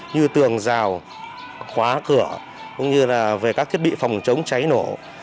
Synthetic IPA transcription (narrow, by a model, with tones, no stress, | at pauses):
ɲɨ˧t̪ɨ˨˩əŋzaː˨˩w | xwaː˨˦kɨ˧˩ə | kʊ̰˧˥ŋ͡mɲɨ˧laː˨˩ve˨˩kaː˦˥k̚t̪ʰi˦˥əɓḭ˧˨fa˨˩wŋ͡mt͡ɕə˨˦wŋ͡mt͡ɕa˨˦jno˧˩